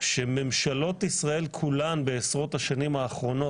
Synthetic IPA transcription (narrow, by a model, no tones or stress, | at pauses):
ʃeme̞mʃalo̞t̪isʁae̞lkʰulanbe̞ːsʁo̞t̪haʃanimhaːχʁo̞no̞